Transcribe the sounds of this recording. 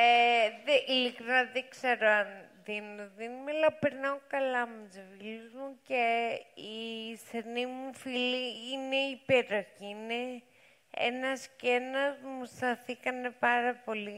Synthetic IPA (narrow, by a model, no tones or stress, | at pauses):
eðeʔilikɾinaðekseɾoanðinoðinumealɐpeɾnaokɐlamuzeviluzmuceisenimufiliine̞ipeɾoçiine | ḛnɐscenɐzmust̪ɐθikɐne̞paɾɐpo̞li